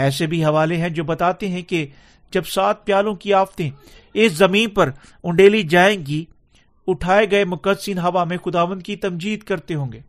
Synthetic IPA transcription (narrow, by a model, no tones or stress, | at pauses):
ɛːs̬ebʱiɦɐʋaːleɦɛ̃d͡ʒoːbɐt̪aːt̪eɦɛ̃ke | d͡ʒɐbsaːt̪̚ʰpjaːlõkiaːft̪ẽ | ɪszɐmĩːnpɐɾ | ʊ̃ɳɖeːlid͡ʒaːẽːɡi | ʊʈʰaːeɡɐemʊkəd̪sinɦaːʋamẽxʊd̪aːʋə̃nd̪kit̪ɐmd͡ʒiːd̪kɐɾt̪eɦõːŋɡeː